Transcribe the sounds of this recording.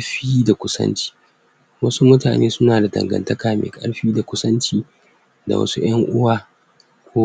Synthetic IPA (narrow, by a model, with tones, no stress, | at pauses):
ɸiː˦da˨kʷʊ˦sɐ̰˦nt͡ʃi̥ː˦ | wɐ˦su˦mʊ˦taː˨neː˦sʊ˦naː˨da˨dɐ̰˨ŋɡɐ̰˨ntɐ˦kaː˨mḛː˨kʼɐ̰˦ɽɸiː˦da˨kʷʊ˦sɐ˦nt͡ʃiː˦ | da̰˨wɐ̰˦su˦j̰ɐ˦ŋʔʊ˦waː˨ | kʷoː˦